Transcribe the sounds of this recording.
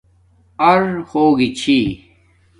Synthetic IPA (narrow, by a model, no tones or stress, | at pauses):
ɐɾhoːɡit͡ɕʰi